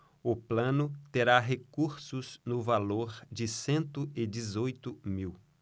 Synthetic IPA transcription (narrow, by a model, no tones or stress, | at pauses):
ʊplɐ̃nʊt̪eɾaɦekuɾsʊznʊvaloɾd͡ʒɪsẽnt̪ʊɪd͡ʒɪzojt̪ʊmiw